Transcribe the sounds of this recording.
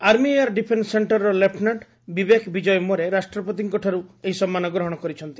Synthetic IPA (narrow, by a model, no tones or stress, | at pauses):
aɾmiaɾɖipʰensːeɳʈɔɾɔlepʰnaʈ | bibekʰbid͡ʒɔjɔmɔɾeɾasʈɾɔpɔt̪̬iŋkɔʈʰaɾueɦisɔmːanɔɡɾɔɦɔɽ̃ɔkɔɾit͡ʃʰɔnt̪i̥